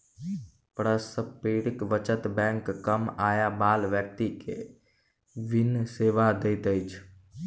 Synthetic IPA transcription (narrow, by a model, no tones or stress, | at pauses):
pɾəspeɽikʋət͡ʃət̪bɛ̃ŋkːəmajabaːlʋjək̚t̪ikḛ | ʋinseʋad̪et̪əjt͡ʃʰ